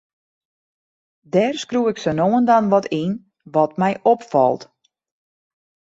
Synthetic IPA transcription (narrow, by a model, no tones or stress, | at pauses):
dɛrskruɪksənoːəndanʋɔtin | ʋɔtmɛjʔopfɔ̰lˠt